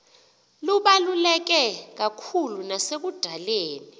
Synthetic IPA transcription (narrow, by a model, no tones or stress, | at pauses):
luɓalulɛk̬ɛk̬akʰulunasek̬ud̥ʱaleːni